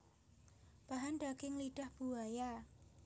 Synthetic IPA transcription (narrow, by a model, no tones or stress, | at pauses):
b̥aɦanɖakɪŋliɖ̥ahb̥uaja